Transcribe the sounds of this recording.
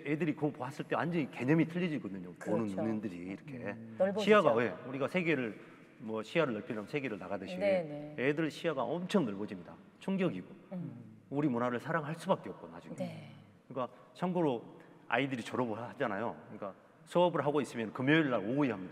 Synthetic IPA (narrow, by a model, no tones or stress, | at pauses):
edɯɾikopoɦas͈ɯɭt͈e̞and͡ʑʌke̞ɲʌmitʰɯʎːid͡ʑiɡʌdɯɲoonɯnunindɯɾiːɾʌkʰe̞̰ɕʰiaɡaje̞uɾiɡasʰeɡe̞ɾɯɭ | mwʌɕʰiaɾɯɭːʌɭpʰiamsʰe̞ɡe̞ɾɯɭnaɡadɯɕʰiɡoedɯɭɕʰiaɡaʌmt͡ɕʰʌŋnʌɭbʌd͡ʑimɲida | t͡ɕʰoŋɡjʌɡiɡo | uɾimunaɾɯɭsʰaɾaŋɦaɭs͈ubak͈e̞ʌp̚k͈onad͡ʑuŋe | kɯɲik͈a | t͡ɕʰʌŋɡuɾo | a̰idɯɾit͡ɕʌɾʌboad͡ʑanajokɯɲik͈a | sʰɯʌbɯɭɦaɡois͈ɯmjʌnkɯmjoiɭːaɾouiɦamɲida